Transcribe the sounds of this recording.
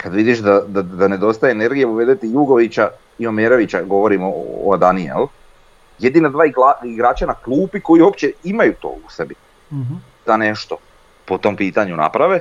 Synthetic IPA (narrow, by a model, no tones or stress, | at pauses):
kad̪ʋid̪iʃd̪ad̪ad̪ane̞d̪o̞st̪ajeene̞ɾɡijeuʋe̞d̪et̪ijuɡo̞ʋit͡ɕa | io̞meɾo̞ʋit͡ɕaɡo̞ʋo̞ɾimo̰ːd̪aniḛl | je̞d̪inad̪ʋaːiɡlaiɡɾaːt͡ʃanaklˠuːpiko̞jio̞pt͡ɕeimajut̪o̰ːusebi | d̪̥ane̞ʃt̪o̞ | pot̪o̞mpiːt̪aɲuna̰pɾaʋe